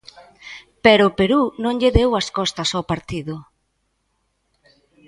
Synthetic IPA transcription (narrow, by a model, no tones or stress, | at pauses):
peɾʊːpeɾunõŋʎeðewɐskɔst̪ɐsowpaɾt̪iðʊ